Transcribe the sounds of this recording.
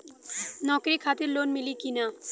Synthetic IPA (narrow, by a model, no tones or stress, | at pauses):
nɔːkɾikʰaːt̪ɪɾloːnmɪlikina